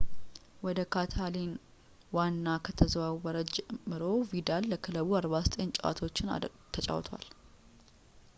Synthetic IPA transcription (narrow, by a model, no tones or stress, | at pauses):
wɔd̪əkʰat̪ʰalin | wanːakʰət̪ʰəzwawəɾəd͡ʒmɨɾo̞vid̪alːəkʰɨləβuaɾβasə̥t̪ʼent͡ʃʼwa̰t̪ʰo̞t͡ʃːɪn | t̪ʰət͡ʃʼa̰wt̪ʰwa̰l